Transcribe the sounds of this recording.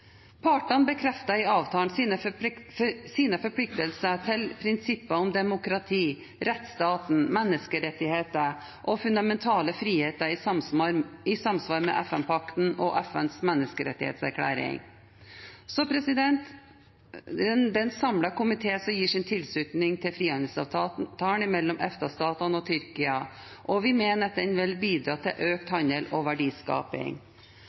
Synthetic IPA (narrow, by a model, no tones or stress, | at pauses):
pʰɑːʈənbəkʰɾɛft̪əɾɪɑːʋt̪ʰɑːnsnə | siːnəfɔɾpʰlɪk̚t̪əlsət̪ʰɪlpʰɾɪnsɪpːəʊmd̪ɛmʊkɾɑt̪ʰiː | ɾɛt̪st̪ɑːt̪n̩mɛnːəskəɾɛt̪ːɪheːt̪ə | ʔɔfʉnd̪ɑmɛnt̪ʰɑːləfɾiːheːt̪əɾɪ | ɪsɑmsʋɑːɾmɛ̰ʔɛfɛnpʰɑkt̪n̩ɔʔɛfɛnsmɛnːəskəɾɛ̰t̪ːɪhḛːt̪sæ̰ɾkʰɽæ̰ːɾɪ̰ŋ | sɔpʰɾɛsɪd̪ɛnt̪ | d̪ɛnsɑmlɑkʊmɪt̪ʰeːsɔjiːʂɪnt̪ʰɪlslʉːt̪nɪŋt̪ʰɪlfɾiːɑnd̪əsɑʋt̪ɑt̪ɑːɳɪmɛlːɔmʔɛft̪ɑst̪ɑːt̪ɑnɔt̪ʰʏɾkɪɑ | ʔɔʋɪmeːnəd̪ɛnʋɪlbiːd̪ɾɑːt̪ʰɪ̰lʔøːk̚t̪hɑnd̪eːlɔʋæɖiːskɑ̰ːpɪ̰ŋ